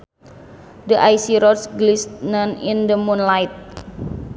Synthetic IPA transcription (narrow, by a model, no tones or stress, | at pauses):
dəʔajsiɾɔsɡlist̪nanindəmunlajt̪̚